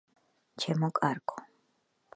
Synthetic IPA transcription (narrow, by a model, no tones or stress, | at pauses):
t͡ʃʰɛmɔkʼaɾkʼɔ